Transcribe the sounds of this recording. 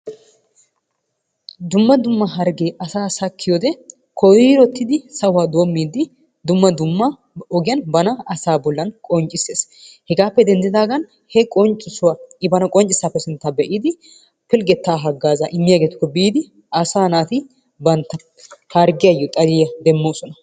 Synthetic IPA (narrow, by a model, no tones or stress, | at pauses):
d̪ʊmːɐd̪ʊmːɐɦɐɾɡeːʔɐsaːsɐkːɪjɔd̪ɛ | kʰɔwiːɾɔt̪ːɪd̪ɪsɐwaːd̪oːmːiːd̪ɪ | d̪ʊmːɐd̪ʊmːɐ | ɔɡɪjɐnbɐnɐɐsaːbɔlːɐnkʼɔnt͡ʃʼɪseːshɛɡaːpːɛd̪ɛnd̪ɪd̪aːɡɐn | hɛkʼɔnt͡ʃʼɪsʊwaɪbɐnɐkʼɔnt͡ʃʼɪsːaːpːɛsɪnt̪ːabɛʔiːd̪ɪ | pɪlɡɛt̪ːaːɦɐɡːaːzaʔɪmːɪjaɡeːt̪ʊ̥kːɔbiːd̪ɪ | ɐsaːnaːt̪ɪ | bɐnt̪ːɐ | hɐɾɡɪjɐjɔt̪ʼɐd̪ɪjɐd̪ɛmːoːsɔnɐ